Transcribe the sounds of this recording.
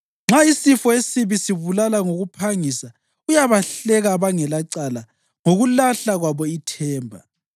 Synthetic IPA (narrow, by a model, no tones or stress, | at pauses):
ŋ͡ǁʱaisifɔesiβisiβulalaŋoɣupʰaŋisa | ujaβaɬɛɣaːβaŋɛlaǀala | ŋoɣulaɬaɣwaβɔitʰɛːmbʱa̰